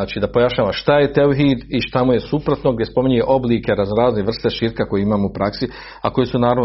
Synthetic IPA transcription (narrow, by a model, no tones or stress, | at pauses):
aːt͡ʃiːd̪apo̞jaʃɲaːʋaʃt̪aje̞t̪euɦiːd̪iʃt̪amujesupɾo̞t̪no̞ɡd̪jespo̞miɲueʔo̞bliːke̞ɾaznɾaːzneʋr̩st̪e̞ʃiːɾkako̞jeimaːmupɾaksi | a̰ko̞jesunaːɾaʋ